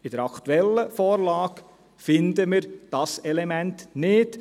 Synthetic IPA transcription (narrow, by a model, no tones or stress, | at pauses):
ɪd̥əɾɑkʰt̪uɛlːəfɔːɾlɑːk | fɪnd̪əmɪɾd̥ɑsɛlemæntnɪd̥